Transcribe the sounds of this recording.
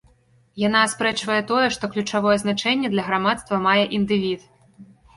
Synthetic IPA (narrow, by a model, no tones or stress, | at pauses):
janaspɾɛt͡ʂvɐjɛt̪ɔjɛʂt̪ɔklʲut͡ʂavɔjɛznat͡ʂɛnʲːɛd̪lʲɐɣɾamat̪st̪vɐmajɛʔind̪ɨvʲit̪